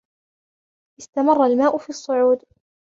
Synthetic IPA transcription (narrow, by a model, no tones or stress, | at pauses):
ʔɪst̪amɑrˤːɑlmaːʔʊfiːɑsˤːʊʕuːd̪